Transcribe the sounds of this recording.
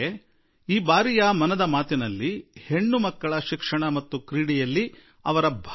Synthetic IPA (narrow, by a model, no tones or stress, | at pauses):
e | iːbaːɾijɐmɐnɐd̪ɐmaːt̪inɐlːihe̞ɳːumɐkːɐɭɐʃikʂɐɳɐmɐt̪ːukɾiːɽijɐlːi | ɐ̰ʋɐɾɐbʱ